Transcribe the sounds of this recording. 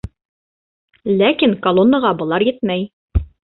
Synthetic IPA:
lækiŋkɐlˠonːəʁɑbɤ̆lˠɑɾjɘt̪mæj

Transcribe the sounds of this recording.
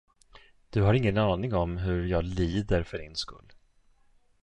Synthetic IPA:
d̪̥ɵɦaɾɪŋːənɑːnɪŋɔmɦɵɾjɑːɡliːd̪əɾfœɖɪnskɵ̰lː

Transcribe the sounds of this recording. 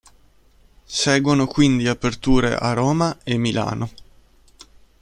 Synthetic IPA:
sɛːɡwonokwind̪iapert̪uːɾḛʔa̰ɾoːmaemːilʔa̰ːno

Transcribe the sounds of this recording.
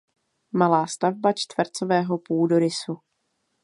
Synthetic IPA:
malaːst̪avbat͡ʃt̪vr̩t͡sovɛːɦo̞puːdoɾɪsu

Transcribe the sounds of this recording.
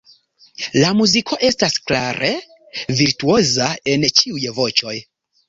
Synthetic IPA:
lamuzikʰo̞ʔe̞stasklaɾʔe̞ | viɾtuo̞zae̞nt͡ʃiujvo̞t͡ʃo̞j

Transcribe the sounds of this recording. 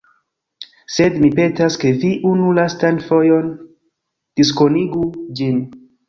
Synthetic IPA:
se̞dmipe̞taske̞viʔunulastanfo̞jo̞n | d̥iskoniɡud͡ʒin

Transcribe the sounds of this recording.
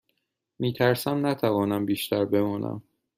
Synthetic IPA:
miːt̪ʰæɾsæmnæt̪ʰævɒːnæmbiːʃt̪ʰæɾbe̞mɒːnʔæ̰m

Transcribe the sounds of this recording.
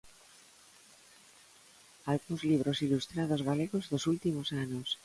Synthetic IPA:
alɣuŋzliβ̞ɾosilust̪ɾaðozɣaleɣozðosult̪imosanos

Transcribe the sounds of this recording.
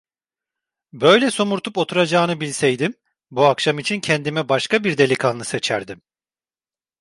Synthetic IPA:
bø̞jlʲɛso̞muɾt̪ʰupo̞t̪ʰuɾad͡ʒaːnɯbilʲsɛjd̪im | buakʃamit͡ʃʰincʰɛnd̪imɛbaʃkabiɾd̪e̞lʲikʰanˠɯset͡ʃʰæɾd̪im

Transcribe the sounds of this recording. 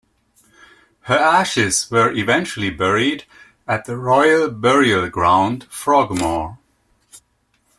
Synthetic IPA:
hə˞æʃɪzwə˞ʔɪvɛ̃nt͡ʃl̩ˠibɛɹid | ɨt̪̚ðəɹɔɪəlˠbɛɹiəlˠɡɹãʊ̃nd̥fɹɔɡmɔɹ

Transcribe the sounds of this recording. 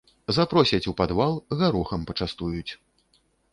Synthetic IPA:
zapɾɔsʲɐt͡sʲupad̪valˠɣaɾuxɐmpɐt͡ʂast̪ujut͡sʲ

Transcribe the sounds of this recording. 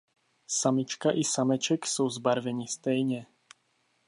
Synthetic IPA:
samit͡ʃkaʔisamɛt͡ʃɛksuwzbaɾvɛɲist̪ɛjɲɛ

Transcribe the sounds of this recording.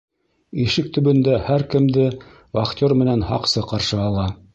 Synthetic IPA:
iʃɘk̚t̪ɵ̆bɵ̆nd̪æhæɾkɘ̆md̪ɘ | vɑχt̪ʲoɾmɘ̆nænhɑ̰qsɤqɑɾʃɤɑlˠɑ

